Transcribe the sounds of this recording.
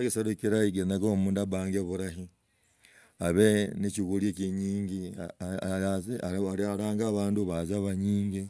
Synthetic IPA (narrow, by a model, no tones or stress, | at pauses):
akisaɾukiɾaiɡenakomuːndaβaːŋɡeβuɾahi | aβenit͡ʃiβuljekiɲiːŋɡi | aaalaːŋɡaːβaːnduβazaβaɲiːŋɡi